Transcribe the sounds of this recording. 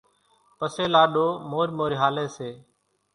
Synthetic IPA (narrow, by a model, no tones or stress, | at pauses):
pəseːlaːɗoːmoːɾmoːɾiɦaːleːseː